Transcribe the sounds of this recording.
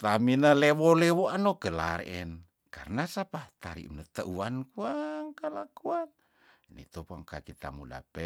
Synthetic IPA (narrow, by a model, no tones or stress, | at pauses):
t̪aminəlɛwolɛwoanokəla̰ɾɛn | karnasapaht̪a̰ɾḭʔmnət̪əʔuankuaŋkəlakuan | nḭt̪opaŋkakit̪a̰muda̰pɛ